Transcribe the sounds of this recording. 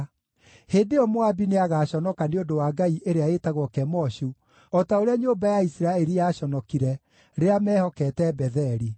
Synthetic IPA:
heːndeɔmoabineaɣaːɕɔnɔkaneondowaːɡaiʔeɾeaetaɣwɔkɛmɔɕu | ɔtaoɾeaɲoːmbajaisiɾaɛɾijaːɕɔnɔkiɾɛ | ɾeamɛːhɔkɛtɛbɛðɛɾi

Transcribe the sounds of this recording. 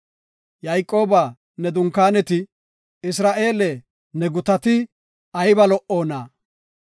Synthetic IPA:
jajkʼːo̞ːbaː | nɛd̪ʊŋkːaːnɛt̪ɪ | ɪs̬ɾaːʔe̞ːlɛ | nɛɡʊt̪ɐt̪ɪ | ɐjbɐlɔʔo̞ːnaː

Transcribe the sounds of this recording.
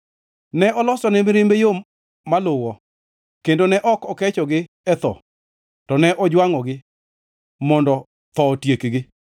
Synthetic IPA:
nɛʔɔlɔsɔnɛmɪɾɪmbejomː | alʊwɔ | kendonɛʔɔkɔkɛt͡ʃɔɡɪ | ɛt̪ɔ̰ | tɔnɛʔɔd͡ʒwaŋɔɡɪ | mɔndɔ | t̪ɔtjekɡɪ

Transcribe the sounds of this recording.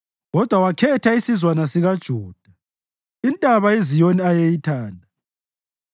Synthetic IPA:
ɣɔd̥ʱwawakʰɛtʰaisizwanasiɣad̥ʒ̥ʱɔːd̥ʱa | intʼaβaezijoniajejitʰaːndʱa

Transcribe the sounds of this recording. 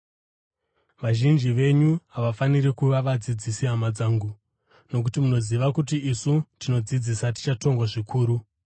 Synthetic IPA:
ʋaʒind͡ʒiʋe̞ɲuɦaʋafaniɾikuʋaʋad͡zid͡zisiɦamad͡zaːŋɡu | no̞k̬utimuno̞ziʋakut̬iisutino̞d͡zid͡zisati̥t͡ʃato̞ŋɡwaʐikʰuːɾu

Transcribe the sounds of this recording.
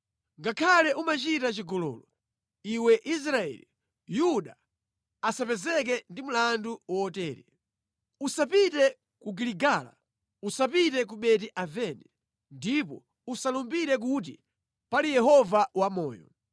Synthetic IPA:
ŋɡakʰalɛʔumat͡ʃitat͡ʃiɡɔlɔ̰ːlɔ | iwɛʔis̬ɾaɛ̰li | juɗa | asapɛzɛk̬ɛndim̩landuwɔɔtɛːɾɛ | usapitɛ | kuɡiliɡaːla̰ | usapitɛk̬uɓɛt̬iʔavɛnɛ | ndipɔ̰ | usalumbiɾɛk̬ut̬ḭ | palijɛhɔvawamɔ̰ːjɔ̰

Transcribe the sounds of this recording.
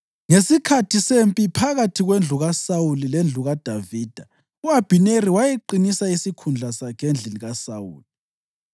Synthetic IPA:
ŋesikʰatʰisempʼipʰaɣatʰiɣwend͡ɮʱuɣasawulilend͡ɮʱuɣad̥ʱaviːd̥ʱa | uab̥ʱineriwajeǃinisaisikʰund͡ɮʱasakʰend͡ɮʱeliɣasaṵːli

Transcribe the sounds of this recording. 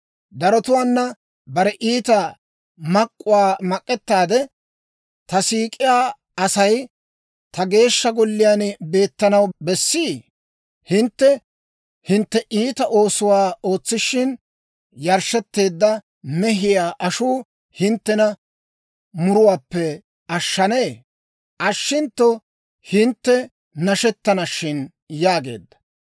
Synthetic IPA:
d̪ɐɾɔt̪ʊwaːnːɐ | bɐɾɛʔiːt̪ɐ | mɐkʼːʊwaːmɐkʼːɛt̪ːaːd̪ɛ | t̪ɐsiːkʼɪjaː | ɐsɐj | t̪ɐɡe̞ːʃːɐɡɔlːɪjaːnbe̞ːt̪ːɐnɐwbɛsːiː | hɪnt̪ːɛ | hɪnt̪ːɛʔiːt̪ɐʔo̞ːsʊwaːo̞ːt͡sːɪʃɪn | jɐɾʃɛt̪ːe̞ːd̪ːɐ | nɛɦɪjaːʔɐʃuː | hɪnt̪ːɛnɐ | mʊɾʊwaːpːɛ | ɐʃːɐneː | ʔɐʃːɪnt̪ːɔ | hɪnt̪ːɛ | nɐʃɛt̪ːɐnɐʃːɪn | jaːɡe̞ːd̪ːɐ̥

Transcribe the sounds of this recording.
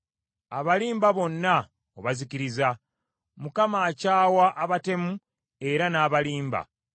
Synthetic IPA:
aβaliːmbaβo̞nːa | oβaziciɾiza | mukamaːcaːwaʔaβate̞mu | e̞ɾanaːβaliːmba̰

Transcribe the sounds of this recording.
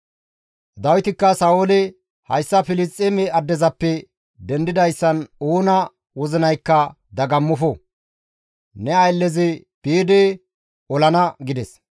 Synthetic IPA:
d̪ɐwɪt̪ɪkːɐsɐːolɪ | hɐ̰jsːɐfɪlɪt͡sʼːemɛɐd̪ːɛzɐpːɛ | d̪ɛnd̪ɪd̪ɐjsːɐnoːnɐ | wɔzɪnɐjkːɐ | d̪ɐɡɐmːɔfɔ | nɛɐjlːɛzɪ | piːd̪eː | ɔlɐnɐɡɪd̪ɛs

